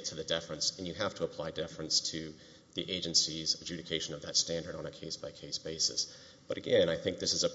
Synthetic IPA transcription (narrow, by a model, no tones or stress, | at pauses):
tʰɨðɨdɪfɹɨ̃nsɨ̃n̩jɨɦæftʰəəpʰl̥aɪdɪfɹɨ̃nstʰɨ | ðiʔeɪd͡ʒɨ̃nsizəd͡ʒʉɾɨkʰeɪʃɨ̃nʌvðɨtstæ̃ndə˞ɾn̩ɨkʰeɪsb̥aɪkʰeɪsb̥eɪsɨ̰s | b̥ʌɾɨɡɛ̃naɪθɪ̃ŋk̚ðɪsɨzə